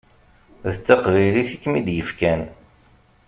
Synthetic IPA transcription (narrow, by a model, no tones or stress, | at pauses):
ðət͡sːɑqviliθikːmid̪jəfkæn